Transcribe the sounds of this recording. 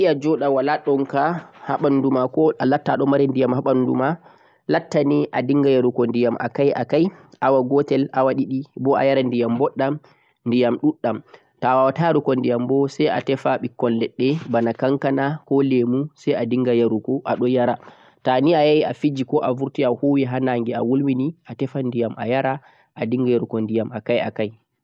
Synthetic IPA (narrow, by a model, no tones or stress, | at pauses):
iad͡ʒɔɗawalaɗɔnkahaɓanudumakɔʔalatːaɗɔmaɾɛndijamhaɓanunduma | latːaniʔadiŋɡajaɾukɔndijamʔa̰kajʔa̰kajʔawaɡɔtɛlawaɗiɗibɔʔa̰jaɾandijambɔɗːam | ndijamɗuɗːam | tawawataɾukɔndijambɔsaja̰tɛfaɓikːɔnlɛɗːɛbanakaŋkanakɔlemusajadiŋɡajaɾukɔʔaɗɔjaɾa | taniajajiafid͡ʒikɔʔavuɾtiahuwiɦanaŋɡɛa̰wulminiʔatɛfandijamʔajaɾa | ʔadiŋɡajaɾukɔndijamakaja̰kaj